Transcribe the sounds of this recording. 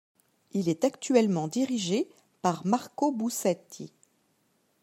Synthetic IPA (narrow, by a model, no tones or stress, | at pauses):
ilɛt̪akt̪ɥɛlmɑ̃d̪iʁiʒe | paʁmaʁkobusɛt̪i